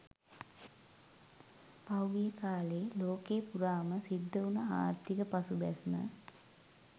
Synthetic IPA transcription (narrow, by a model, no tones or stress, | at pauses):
pawɡijəkaːleːloːkeːpuɾaːməsid̪ʱːəunəa̰ːɾt̪ikəpasubæsmə̰